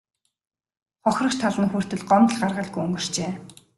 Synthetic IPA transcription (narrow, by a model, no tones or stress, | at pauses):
χɔxʲrɞ̆kt͡ɕt̪ʰaɮə̆nxur̥t̪ɘ̆ɮɢɔmt̪ə̆ɮɢarʁə̆ɮɡujɵŋɡɵ̆r̥t͡ɕeː